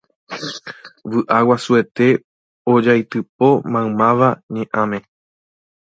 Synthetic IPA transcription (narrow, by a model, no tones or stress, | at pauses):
ʋɨʔawasue̞t̪e̞ | od͡ʒajt̪ɨp̚o̞mãwmãʋaɲẽʔãmẽ̞